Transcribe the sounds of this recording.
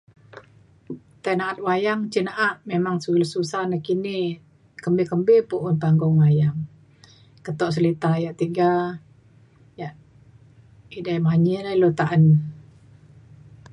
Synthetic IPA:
t̪anaʔat̪̚wajaŋt͡ʃinaʔaʔ̪memaŋsuləsusanakini | kəmbekəmbepuʔʊnpaŋɡɔŋwajaŋ | kət̪ɔʔs̬əlit̪ajaʔt̪iɡa | jaʔ | idajmaɲəlailot̪aʔən

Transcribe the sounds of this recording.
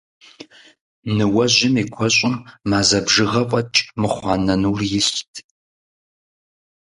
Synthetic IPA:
nɨwɐʑɪmiːkʷʰɔɕʼɪmːaːzɐbʒɨʁɐpʼɐt͡ʃʼmɨχʷɑːnɐnuːrjɪɕtʰ

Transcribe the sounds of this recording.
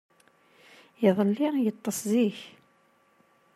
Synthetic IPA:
iðˤəlːijət̪ˤːəsziç

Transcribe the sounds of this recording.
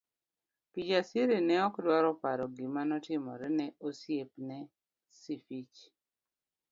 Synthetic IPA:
pid͡ʒasiɾenɛɔkdwaɾɔpaɾɔɡimanɔtɪmɔ̰ɾɛnɛosjepnɛ | sifit͡ʃ

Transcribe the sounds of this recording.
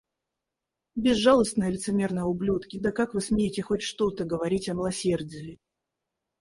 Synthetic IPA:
bʲɪzːalˠəst̪nəjəlʲɪt̪sɨmʲe̞rnəjəʊblʲut̪kʲɪd̪əkakvɨsmʲejɪtʲɪxo̞tʲʂt̪o̞t̪əɡəvɐɾʲitʲɐmʲɪlˠɐsʲe̞rdʲɪjɪ

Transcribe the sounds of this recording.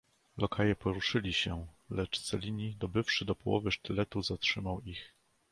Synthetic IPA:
lɔkʰajɛpɔɾuʂɘlʲiɕɛ | lɛt͡ʂt̪sɛlʲiɲid̪ɔbɘfʂɘd̪ɔpɔwɔ̰vɘʂt̪ɘlɛt̪uzatʂɘmawix

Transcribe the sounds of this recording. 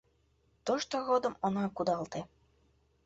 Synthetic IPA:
t̪oʃt̪oɣod̪ə̆monɑkud̪ɑlt̪e

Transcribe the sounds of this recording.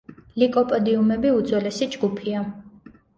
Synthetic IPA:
likʼɔpʼɔd̪iumɛbiud̪zwɛlɛsid͡ʒɡupʰia

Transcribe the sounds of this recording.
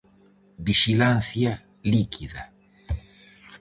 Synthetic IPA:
biʃilãn̟θja | likʰiða

